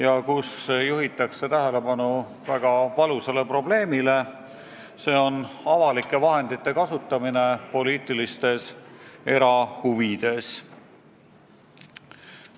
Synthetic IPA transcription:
jɑkusːejuɦit̪ːˑɑkse̞t̪æɦele̞bɑnu | væɡ̥ɑvɑluse̞le̞pro̞ble̞ːmile̞ | se̞ːo̞nɑvɑlikːˑe̞vɑɦe̞nd̪it̪ːˑe̞kɑsut̪ˑːɑmine̞po̞liːt̪ˑilist̪e̞se̞ɾɑhuvid̪̥e̞s

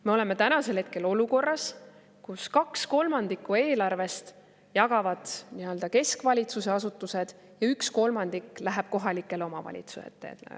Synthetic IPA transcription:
me̞o̞le̞me̞t̪ænɑse̞lhe̞t̪̚ke̞lo̞luko̞rːɑs | kuskɑksko̞lmɑnd̪̥ikːˑue̞ːlɑrve̞st̪ | jɑɡ̥ɑvɑd̪̥niø̞ld̪ɑke̞skvɑlʲit̪suse̞ɑsut̪ːˑuse̞d̪̥ | jɑyksko̞lmɑnd̪̥ikːˑlæɦæb̥̚ko̞ɦɑlikːˑe̞lo̞mɑ̰vɑ̰lʲḭt̪su̥sḛt̪ːˑḛː

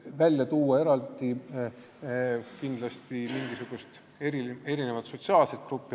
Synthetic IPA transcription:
vælʲjɑt̪uːɑe̞ɾɑld̪̥i | kind̪̥lɑst̪imiŋɡ̥isuɡ̥ust̪ | eɾie̞ɾine̞vɑt̪so̞t̪siɑːlse̞t̪̚kɾupːi

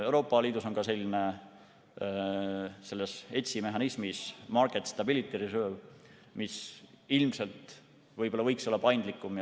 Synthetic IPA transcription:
ewɾo̞ːpːˑɑliːd̪uso̞nkɑse̞lʲːine̞ | se̞lːese̞t̪ʲsimeɦɑnismismɑrkˑet̪st̪ɑbilit̪ːˑiɾisøːv | mis | ilmse̞lt̪ | vɤjb̥olːɑvɤjkso̞lːɑpɑjnd̪̥likːˑumj

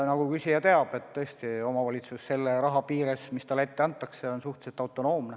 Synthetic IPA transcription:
nɑɡukysʲijɑt̪e̞ɑbe̞t̪ːɤ̞esʲt̪io̞mɑvɑlʲit̪susːe̞lːeɾɑɦɑpiːɾesmist̪ɑle̞t̪ːeɑnt̪ːˑɑkseo̞nsuht̪set̪ːˑɑwt̪ːˑo̞no̞ːmne

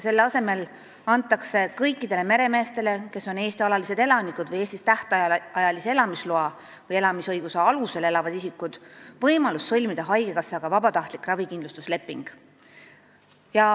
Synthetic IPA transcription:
se̞lːɑse̞me̞l | ɑnt̪ːˑɑkse̞kɤjkːˑid̪̥e̞le̞me̞ɾe̞me̞ːst̪e̞le̞ke̞so̞ne̞ːst̪iɑlɑlise̞d̪e̞lɑnikud̪̥vɤjeːst̪ist̪æht̪ɑɑjɑlisee̞lɑmisloɑ | vɤje̞lɑmisɤjɡ̥useɑluse̞le̞lɑvɑd̪̥isikːˑud̪̥vɤjmɑlusːɤlʲmid̪̥ɑɦɑjɡekɑsːeɑɡ̥ɑvɑbɑt̪ɑht̪likˑrɑvikind̪lust̪usle̞pːˑiŋɡ̥ | jɑ

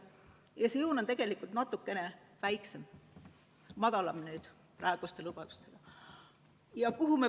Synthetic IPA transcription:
jɑsejuːno̞nt̪e̞ɡ̥e̞likːˑult̪nɑt̪ːˑukːe̞ne | væjkse̞m | mɑd̪ɑlɑmnyːd̪̥ | pɾɑeɡ̥ust̪e̞lub̥ɑd̪u̥st̪e̞ɡ̥ɑ | jɑkuɦume

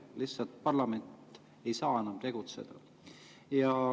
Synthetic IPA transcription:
lisːɑlt̪̚pɑrlɑme̞nt̪ː | e̞jsɑːe̞nɑmt̪e̞ɡ̥ut̪sḛd̪̥ɑ | jɑ

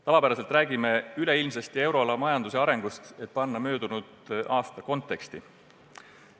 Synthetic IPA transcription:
t̪ɑvɑpæɾɑse̞lt̪ræːɡ̥ime̞yle̞ilmsest̪ie̞wɾo̞ɑlɑmɑjɑnd̪useɑɾe̞ŋɡ̥ust̪e̞t̪̚pɑnːɑmø̞ːd̪̥unud̪ʔɑːst̪ɑko̞nt̪ːˑe̞kst̪i

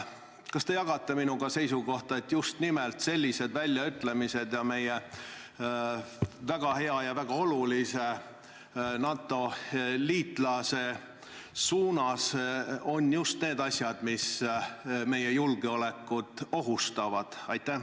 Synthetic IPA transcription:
kɑst̪e̞jɑɡ̥ɑt̪ːˑe̞minuɡ̥ɑse̞jsuɡo̞ht̪ɑe̞t̪ːˑjust̪nimelt̪se̞lʲːise̞d̪vælʲːjɑyt̪ːˑle̞mise̞d̪̥jɑme̞je | væɡ̥ɑhe̞ɑjɑvæɡ̥ɑo̞lulise | nɑːt̪ːˑo̞liːt̪ˑlɑse̞ | suːnɑso̞njust̪ne̞ːd̪̥ɑsʲjɑd̪̥mis | me̞jejulɡ̥eo̞le̞kːˑud̪̥o̞ɦust̪ɑvɑd̪̥ɑjt̪ːæ

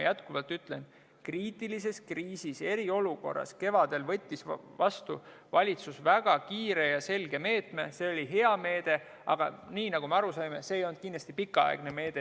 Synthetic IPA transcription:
jæt̪kuvɑlt̪yt̪ˑlen | kriːt̪ːˑilise̞skriːsise̞ɾio̞luko̞̰rːɑ̰ske̞vɑd̪̥e̞lvɤ̞t̪ʲːisvɑst̪ṵ | vɑlʲit̪susvæɡ̥ɑkiːɾe̞jɑse̞lɡ̥e̞me̞ːt̪me̞se̞olʲiɦe̞ɑme̞ːd̪̥e̞ | ɑ̰ɡ̥ɑ̰niːnɑɡ̥umeɑɾusɑjmese̞ejo̞lnd̪̥̚kind̪lɑst̪ipikːˑɑɑ̰eɡ̥neme̞ːd̪̥e̞

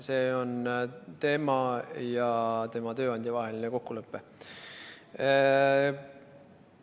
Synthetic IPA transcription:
se̞ːo̞nt̪e̞mɑjɑt̪e̞mɑt̪ø̞ːɑnʲd̪jɑvɑɦe̞lineko̞kːulɤpːe̞

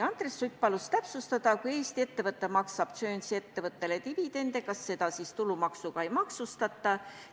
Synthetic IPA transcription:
ɑnd̪resːujpːɑlust̪æpsust̪ɑd̪̥ɑkuje̞ːst̪ie̞t̪ːevɤt̪ːˑemɑksɑb̥̚t̪sø̞ːnʲsie̞t̪ːe̞vɤt̪ːe̞let̪ivid̪̥e̞nd̪̥ekɑsːe̞d̪̥ɑsist̪ulumɑksuɡ̥ɑe̞jmɑksust̪ɑt̪ˑːɑ

